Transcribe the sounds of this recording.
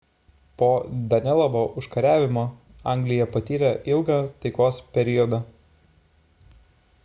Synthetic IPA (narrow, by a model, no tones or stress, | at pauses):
poːd̪ɐnʲɛlˠɐboːʔʊʃkɐɾʲæːʋʲɪmoː | ɐˑŋʲɡlʲɪjɛpɐt̪ʲiːɾʲɛʔɪlˠɡɑːt̪ɐɪkoːspʲɛɾʲɪjɔd̪ɐ